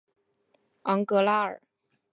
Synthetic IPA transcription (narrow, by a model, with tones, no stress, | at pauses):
ɑ˧˥ŋkɤ˧˥la˥ə̰˨˩˦